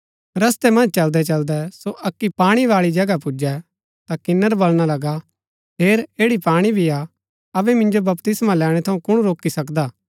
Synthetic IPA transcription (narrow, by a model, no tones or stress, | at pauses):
ɾɐst̪ɛmɐ̃nd͡ʒt͡ʃɐld̪ɛt͡ʃɐld̪ɛsoʔɐkːipaːɽ̃iʋaːɭid͡ʒɐɡapʊd͡ʒɛ | t̪akɪnːəɾbɐlɽ̃alɐɡa | ɦeːɾeːɽipaːɽ̃ibʱia | ɐbɛmɪ̃nd͡ʒobɐpt̪ɪsmalɛːɽ̃ɛ̃t̪ʰɐũkʊɽ̃ɾoːkisɐkd̪aː